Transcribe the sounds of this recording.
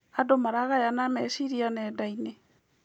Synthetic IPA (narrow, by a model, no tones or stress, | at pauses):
adomaɾaɣajanamɛsiɾianɛːdaine